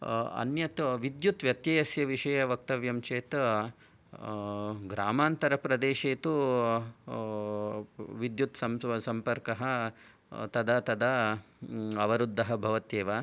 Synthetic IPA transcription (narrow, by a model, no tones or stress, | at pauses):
ɐ̰njɐt̪ʋid̪jut̪ʋjɐt̪jɐːjɐsjɐʋiʂɐjɐʋɐk̚t̪ɐʋjɐmt͡ʃeːt̪ | ɡɾaːmaːnt̪ɐɾɐpɾɐd̪eːʃeːt̪u | ʋid̪jut̪sɐmsɐmpɐɾkɐɦɐ | t̪ɐd̪ɐt̪ɐd̪ɐ | ɐʋɐɾud̪ʱːɐɦɐbʱɐʋɐt̪jeːʋa